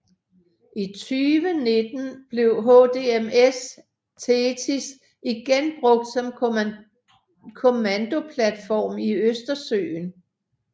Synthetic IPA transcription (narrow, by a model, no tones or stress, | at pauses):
ʔit͡sʰyːʋəne̝d̥n̩b̥le̝ʊɦod̥e̝emes | t͡sʰeːt͡sʰis | iɡ̥enb̥ʁɔ̽ɡ̥̚d̥sɒ̽m | kʰo̝mænd̥o̝pʰlæd̥fɒ̰ːmiøsd̥ɐsø̰ːn